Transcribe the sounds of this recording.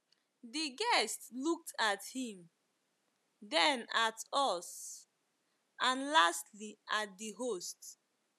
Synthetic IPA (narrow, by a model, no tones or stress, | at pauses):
diɡɛstluk̚tʰathĩm | dɛ̃natɔs | ʔãnlastliʔat̚diɦost